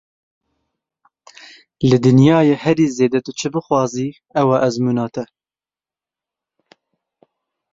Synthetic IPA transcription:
lɨd̪ɨnjɑːjehɛɾiːzeːd̪ɛt̪ɨt͡ʃʰɨbɨxwɑːziː | ɛwɑːʔɛzmuːnɑːt̪ʰɛ

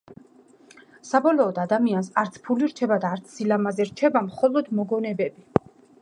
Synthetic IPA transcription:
sabɔlɔːd̪ad̪amiansaɾt̪sʰpʰuliɾt͡ʃʰɛbad̪aːɾt̪sʰsilamazɛɾt͡ʃʰɛbamχɔlˠɔd̪mɔɡɔnɛbɛbi

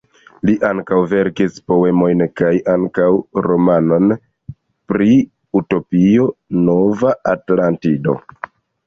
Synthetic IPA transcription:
liʔaŋkawve̞ɾkispo̞e̞mo̞jnkajaŋkawɾo̞mano̞n | pɾi | uto̞pio̞no̞vaatlantido̞̰

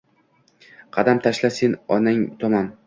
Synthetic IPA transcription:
qʰɑd̪amt̪ʰaʃlasenɒnɪŋt̪ʰɒmɒn

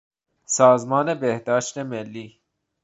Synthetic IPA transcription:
sɑːzmɑːnebehd̪ɒːʃt̪emelːiː

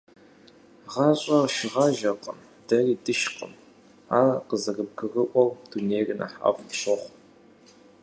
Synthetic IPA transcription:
ʁɑɕʼɐrʃɪʁɑʒɐqʼəm | d̥ɐriːdɨʃqə̰m | aːqəzɐrɨb̚ɡɨrɨʔʷɔwd̥uneːjrɨnɐ̰ħa̰ːvɕɨχʷ

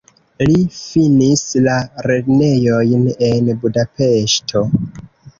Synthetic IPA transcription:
lifinislaɾedne̞jo̞jne̞nbudape̞ʃtʰo̞

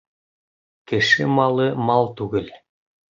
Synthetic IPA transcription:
kɘ̆ʃɘmɑlˠɤmɑlˠt̪ʉɡɘl

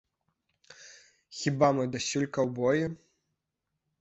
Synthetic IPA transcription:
xʲibamɨd̪asʲulʲkɐwbɔju

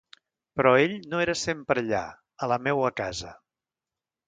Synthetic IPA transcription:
pɾɔeʎnoeɾəsempɾəʎa̰ | ələmɛwəkazə

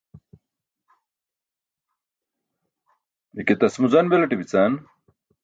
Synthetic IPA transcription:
iket̪ɐsmuzɐnbelɐʈibit͡san

